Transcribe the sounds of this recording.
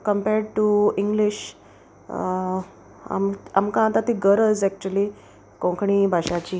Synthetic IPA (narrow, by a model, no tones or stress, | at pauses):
kəmpɛɾɖʈuiŋɡliɕ | a̰mamkãːt̪at̪iɡəɾəd͡zɛk̚t͡ɕuəli | kõŋkʰɳ̃iːbʱaɕat͡ɕiː